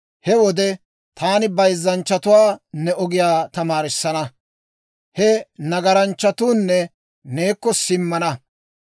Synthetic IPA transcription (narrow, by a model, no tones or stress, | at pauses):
hɛwɔd̪ɛ | t̪ʰaːnɪbɐjzːɐnt͡ʃːɐt̪ʊwaːnɛʔɔɡɪjaːt̪ɐmaːɾɪsːɐnɐ | hɛnɐɡɐɾɐnt͡ʃːɐt̪uːnːɛ | ne̞ːkːɔsɪmːɐnɐ